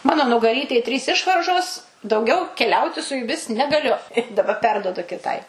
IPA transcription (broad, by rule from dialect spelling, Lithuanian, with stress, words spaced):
ˈmɑːnoː nʊɡɐˈrʲiːtʲɛj ˈtʲrʲiːs ˈɪʃʋɐrʒoːs dɐʊˈɡʲɛʊ kʲɛˈlʲɛʊtʲɪ sʊ jʊˈmʲɪs nʲɛɡɐˈlʲʊ ɪ dɐˈbɐ ˈpʲɛrduɔdʊ kʲɪˈtɐɪ